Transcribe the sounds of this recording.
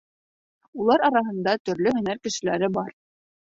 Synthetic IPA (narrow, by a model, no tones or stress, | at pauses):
ulˠɑɾɑɾɑɦɤ̆nd̪ɑt̪ɵ̆ɾlɵɦɵ̆næɾkɘ̆ʃɘ̆læɾɘbɑɾ